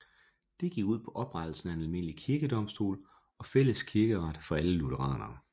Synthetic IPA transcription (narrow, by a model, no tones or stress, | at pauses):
d̥e̝ɡ̥iɡ̥uð̰ˠpʰɒ̽ʔɒ̽b̥ʁad̥l̩sn̩æenælme̝n̰əlikʰiɐɡ̥əd̥ɒ̽m̰sd̥o̝̰ːl | ɒ̽fel̰əskʰiɐɡ̥əʁɑd̥fɒ̽æləlut͡sʰəʁɑ̰̈ːnɐ